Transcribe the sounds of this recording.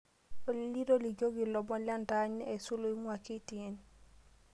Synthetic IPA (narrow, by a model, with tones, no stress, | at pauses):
o˨lli˦ɾo˦li˨ɡo˦ɡi˨lɔ˨bɔ˦lja˦nda˦ɲ˦e˨su˦lo˦i˦ŋwa˨ki˦ti˨e˨n